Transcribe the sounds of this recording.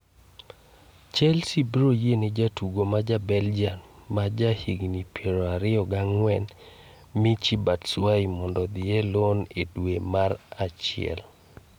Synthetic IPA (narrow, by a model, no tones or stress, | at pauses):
t͡ʃɛlsibɾojened͡ʒatuɡomad͡ʒabɛld͡ʒanmad͡ʒahiɡnipjeɾɔaɾɪɔɡaŋwɛn | mit͡ʃibatswaimɔndɔd̪ɪelonedwemaɾat͡ʃɪ̰ɛ̰l